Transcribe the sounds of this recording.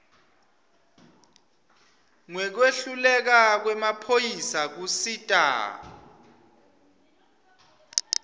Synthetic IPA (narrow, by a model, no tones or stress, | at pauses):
ŋwɛk̬weɬulɛk̬ak̬wɛmapʰojisak̬usitʼa̰ː